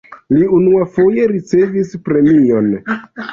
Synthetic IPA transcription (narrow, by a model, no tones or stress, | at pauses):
liunuafo̞je̞ɾit͡se̞vispɾe̞mio̞n